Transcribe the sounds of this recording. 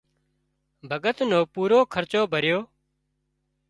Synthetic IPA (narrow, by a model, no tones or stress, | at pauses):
bʱəɠət̪noːpuːɾoːkʰəɾt͡ʃoːbʱəɾjoː